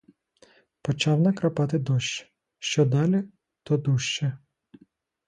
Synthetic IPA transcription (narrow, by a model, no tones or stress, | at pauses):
pɔt͡ʃɑwnɐkɾɐpɑt̪ɪd̪ɔʃt͡ʃ | ʃt͡ʃɔd̪ɑlʲi | t̪ɔd̪uʃt͡ʃɛ